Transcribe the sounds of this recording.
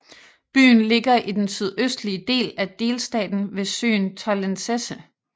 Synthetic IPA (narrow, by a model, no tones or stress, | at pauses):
b̥y̰ːnle̝ɡɐʔid̥ensyð̞ˠøsd̥liəd̥e̝̰ːlæd̥e̝ːlsd̥ɛ̰ːd̥n̩ʋe̝sø̰ːnt͡sʰɑlensesə